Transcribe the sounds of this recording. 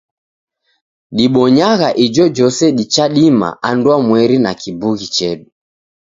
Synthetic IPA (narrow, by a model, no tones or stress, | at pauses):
ɗiɓɔɲaɣaʔid͡ʒɔd͡ʒɔsɛɗit͡ʃaɗima̰andwamwɛɾinakibuɣit͡ʃɛɗu